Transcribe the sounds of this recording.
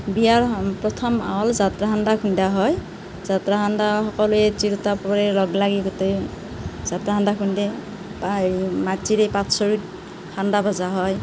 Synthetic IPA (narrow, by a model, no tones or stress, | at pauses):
bijaɹpɾɔt̪ʰɔma̰wɔlzat̪ɾaɦandakʰundaɦɔj | zat̪ɾaɦʰandaɦɔkɔluet͡ʃiɾut̪apɾeɾɔɡlaɡiɡot̪ej | zat̪ɾaɦandakʰunde | pamat͡ʃiɾepat͡ssɔɹit | handabʱazaɦɔj